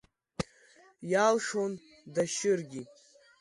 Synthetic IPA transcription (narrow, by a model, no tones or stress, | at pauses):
jalʂon | daʃɪrɡʲi